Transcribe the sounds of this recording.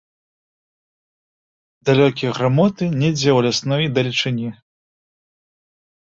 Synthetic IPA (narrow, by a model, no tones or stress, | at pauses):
d̪alʲɔkʲijɐɣɾamɔt̪ɨnʲɛd͡zʲɛwlʲasnɔjd̪ɐlʲit͡ʂɨnʲi